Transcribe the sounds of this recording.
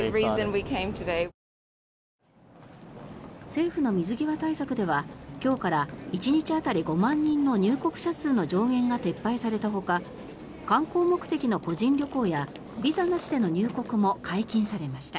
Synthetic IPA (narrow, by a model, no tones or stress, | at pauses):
ɹiːzɨ̃nwikʰẽɪ̃mtʰɨdeɪ | se̞ːɸɯ̟no̞mʲizɨɡʲiβat̪aisakɯ̟d̪e̞βakʲo̞ːkaɾait͡ɕiɲ̟it͡ɕiat̪aɾʲiɡo̞mãɲ̟ːĩnːo̞ɲ̟ɨːko̞kɯ̟̥ɕasɨːno̞d͡ʑo̞ːɡẽ̞ŋɡat̪e̞pːaisaɾe̞t̪aɦo̞ka | kãŋko̞ːmo̞kɯ̟̥t̪e̞kʲino̞ko̞ʑĩnɾʲo̞ko̞ːja | bʲizanaɕi̥d̪e̞no̞ɲ̟ɨːko̞kɯ̟mo̞kʰaikʲĩɰ̃saɾe̞maɕi̥t̪a